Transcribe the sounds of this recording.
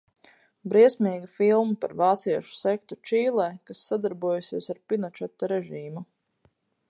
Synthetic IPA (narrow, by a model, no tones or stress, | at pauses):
bɾiɛsʲmʲiːɡifilˠmapa̰ɾvaːt̪siɛʃu̥sɛk̚t̪ut͡ʃiːlˠɛːkasːad̪aɾbuɔjusiɛsaɾpinɔt͡ʃɛt̪ːaɾɛʒiːmu